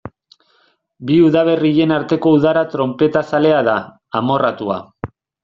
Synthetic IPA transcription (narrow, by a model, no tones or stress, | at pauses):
biuðaβ̞e̞riʎe̞naɾt̪e̞ko̞uðaɾat̪ɾo̞mpe̞t̪asale̞aðaː | mo̞rat̪ua̰